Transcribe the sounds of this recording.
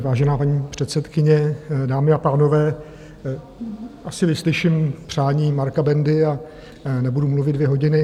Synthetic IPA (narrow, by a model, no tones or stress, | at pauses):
vaːʒɛnaːpaɲiːpr̥ɛt̪sɛt̪kɪɲɛdaːmɪapaːno̞vɛː | ʔasɪvɪslɪʃɪmpr̝̥aːɲiːmaɾkabɛndɪa | nɛbudumluvɪd̪̚vjɛɦoɟɪnɪ